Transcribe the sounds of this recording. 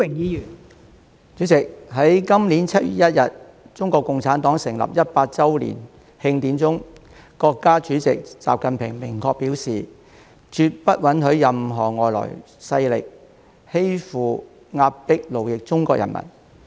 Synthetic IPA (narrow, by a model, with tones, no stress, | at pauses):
ɪ˨˩ŋjiː˨˧jyː˨˩n | t͡ʃyː˨˥t͡sɪ˨k̚ɦɐ˨˥jkɐ˥mli˨˥nt͡sʰɐ˥t̚jy̰ː˨˩jɐ˥t̚jɐ˨t̚ | t͡sʊ˥ŋkɔː˧kːʊ˨ŋt͡sʰaː˨˥nt̪ɔː˨˥ŋsɪ˨˩ŋlɐ̰˨˩p̚jɐ˥t̚paː˧t̚t͡sɐ˥wlḭː˨˩n | hɪ˧ŋt̪iː˨˥nt͡sʊ˥ŋ | kɔː˧kːaː˥t͡ʃyː˨˥t͡sɪ˨k̚t͡sa̰ː˨p̚kɐ˨npʰɪ˨˩ŋmɪ˨˩ŋkɔː˧k̚piː˨˥wsiː˨ | t͡ʃyː˧t̚pɐ˥t̚wɐ˨˥nɦɵ˨˥ɥjɐ˨mɦɔː˨˩ŋɔː˨jlɔ̰ː˨˩j | sɐ˧jlɪ̰˨k̚ | he˥jfuː˨ | ŋaː˧p̚pɪ˥k̚lo˨˩wjɪ˨k̚t͡sʊ˥ŋkɔː˧k̚jɐ̰˨˩nmʔɐ̰˨˩n